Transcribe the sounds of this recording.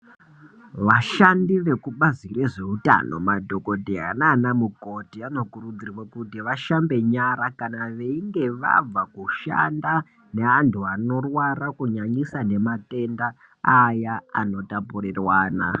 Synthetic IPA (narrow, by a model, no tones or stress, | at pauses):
ʋaʃandiʋe̞kuɓazireʐe̞uta̰no̞̰madʱo̞ko̞dʱiɦa̰naːnamuko̞tiano̞kurud͡zirwokutiʋaʃambe̞ɲaɾakanaʋe̞iŋɡe̞ʋa̰b͡vakuʃa̰nda | ne̞antʰuano̞rwarakuɲaɲisane̞mate̞nda | ajaano̞tapurirwaːna̰